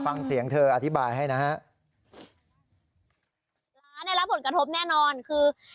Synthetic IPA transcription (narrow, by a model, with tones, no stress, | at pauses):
fa˧ŋsi˩˦əŋt̪ʰɤː˧ʔa˧t̪ʰi˦˥baː˧jɦa˥˩jna˦˥ɦa˦˥ʔ | la˦na˧jla˦˥p̚ʰːo˩˦nkɾa˧t̪ʰo˦˥p̚nɛː˥˩nɔː˧nkʰɯː˧